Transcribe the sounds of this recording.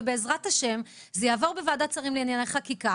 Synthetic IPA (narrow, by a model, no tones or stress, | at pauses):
be̞ːzʁathaʃe̞m | zejaːvo̞ʁbevaːdat͡saʁimleinjanaχakika